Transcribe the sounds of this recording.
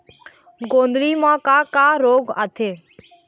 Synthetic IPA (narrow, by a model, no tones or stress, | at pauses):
ɡõːnd̪ɾiːmãːkaːkaːɾoːɡa̰t̪ʰeː